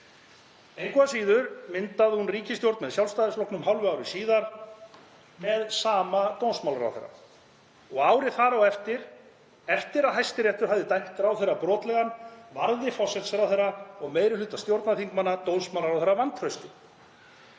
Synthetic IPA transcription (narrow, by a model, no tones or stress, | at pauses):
ejŋkvasiːðʏɾmɪnt̪aðhunriːcɪst̪jowɾt̪mɛðsjawlst̪ajðɪsflowknʏmɦawlvʏawɾɪsiːðaɾ̥ | mɛðsaːmat̪ownsmawlɾa̰wθḛrːa̰ | ɔɣaːwɾɪθaɾɔɣɛft̪ɪɾ̥ | ɛft̪ɪɾaðɦajst̪ɪɾjɛht̪ʏɾ̥havðɪt̪ajht̪ɾawθejrapɾɔːt̪lɛɣanvaɾðɪfɔsɛt̪sɛɾawθejrːaɔɣmeːjɾɪlʏːt̪ast̪jowɾt̪naθiŋkmanːat̪ownsmawlaɾawθɛɾrːavant̪ʰrœɥst̪ɪ